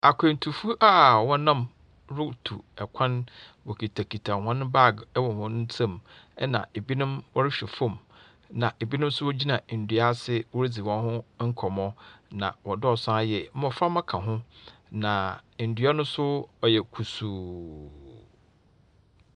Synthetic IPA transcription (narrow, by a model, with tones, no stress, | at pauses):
a˨kʰʷẽ˨n̩˨tʰu˨fu˦ʔa˦˨wɔ̃˦nã˦˨m | ɾʊ˦tʰṵ˨ɛ˨kʷʰã˦nwɔ˨kʰi˨tʰa˨kʰi˨tʰa˨hɔ̃˦ñ˦ba˦˨ɡɛ˦wɔ˨hʊ̃˦n˦n̩˦tʰẽ˦˨mɛ˦nã̰˨e˨bi˦nʊ̃˦mwɔ˦ɾɪ˦ɕᶣɛ˨fɔ̃˦˨m | nã˨ʔe˨bi˦nʊ̃˦m˦sʊ˦wɔ˦d͡ʑi˦nã˨n̩˨dɥa˦sɪ˦wɔ˦ɾi˦d͡zi˨wɔ̃˦nhʊ̃˦ŋ̩˦kʰɔ˨mɔ̃˦nã̰˨wɔ˨dɔ˦ɔ˨sã˦a˦jɛ˨˦mɔ̃˨fã˦mã˦kʰã˨ɦʊ̃˦nã˨n̩˨dɥa˦nʊ̃˦sʊ˦ɔ˨jɛ˨kʰu˨suː˨